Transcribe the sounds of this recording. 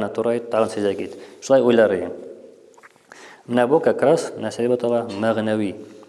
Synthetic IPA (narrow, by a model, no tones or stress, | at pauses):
nət̪uɾɑjt̪ːɑʁɤnsɵ̆zækit̪ʃulˠɑjujlˠɑɾɤjɤ | mɘnæbukakɾasnæsilibæt̪ovɑmæʁnæwi